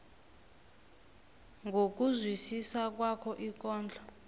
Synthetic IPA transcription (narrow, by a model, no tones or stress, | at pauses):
ŋɡʱok̬ʼuzwisisak̬wakʰɔʔik̬ɔːnd͡ɮʱɔ